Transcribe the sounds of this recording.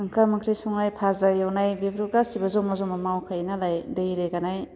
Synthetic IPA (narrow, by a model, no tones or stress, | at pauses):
ɯŋkʰamɯŋkʰɾijsɔŋnajpʰazaɾjawnajbebʰɾuɡasibazɔmazɔŋmamawkʰajnalajdejɾeɡanaj